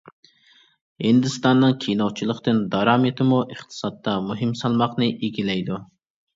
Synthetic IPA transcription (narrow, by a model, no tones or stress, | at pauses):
hind̪ɪst̪ɑnːɨŋkʲʰijnowt͡ʃʰilˠəqt̪ɨnd̪ɑɾɑːmet̪ʰɪmuʔəχt̪ʰɨ̥sɑt̪ːɑmuɦɨmsɑlˠmɑqnɨʔeɡʲilɛjd̪u